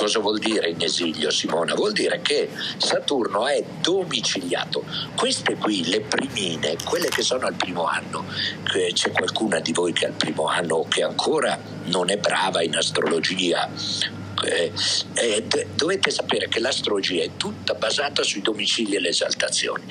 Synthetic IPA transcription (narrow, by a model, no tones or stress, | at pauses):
kɔːzavwɔld̪iːɾeineziʎjosimoːna̰vwɔld̪iːɾekesat̪urnoɛd̪omit͡ʃilja̰ːt̪okwest̪ekwilepɾimiːnḛkwelːekesːoːnoalpɾiːmoa̰nːo | t͡ʃɛkwa̰lkuːnad̪ivojkʰea̰lpɾiːmoa̰nːokeaŋkʰoːɾa | nonɛbːɾa̰ːvainast̪ɾo̰lod͡ʒiːa̰ | ɛ | d̪ovet̪ːesapeːɾekelast̪ɾolod͡ʒiːaɛt̪ːut̪ːabazaːt̪asuid̪omit͡ʃilielːeeza̰lt̪at̪sːjo̰ːni